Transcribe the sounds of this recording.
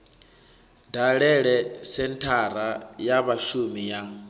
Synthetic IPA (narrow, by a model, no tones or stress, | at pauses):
daɺɛɺɛsɛntʰaɾ̤ajaβaʃumija